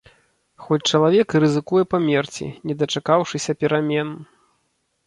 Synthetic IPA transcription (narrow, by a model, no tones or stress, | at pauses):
xɔt͡sʲt͡ʂɐlˠavʲɛkrɨzɨkujɛpɐmʲɛrt͡sʲḭnʲɛd̪ɐt͡ʂakawʂɨsʲɐpʲɛɾamʲɛn